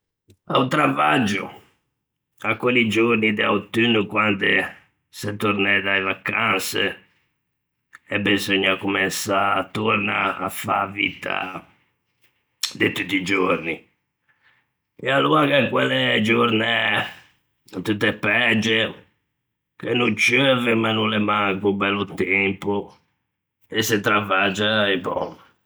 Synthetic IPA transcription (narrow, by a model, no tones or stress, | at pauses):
a̰ut̪ɾavad͡ʒːṵ | akːwelid͡ʒoɾnid̪eawt̪ynukwand̪e | sɛt̪ːuɾnɛðaevakanse | ɛbizoɲːaakːumɛnsat̪ːuɾnaːfa̰vḭt̪ʰa̰ | d̪et̪ut̪ːid͡ʒoɾni | ɛalːuaɣɛkwɛlɛd͡ʒoɾnɛ | t̪ut̪ːɛpːɛd͡ʒɛ | kenːunt͡ʃøvɛmanːulɛmaŋkubɛlːut̪ɛmpu | ɛsːɛt̪ɾavad͡ʒaibɔ̰n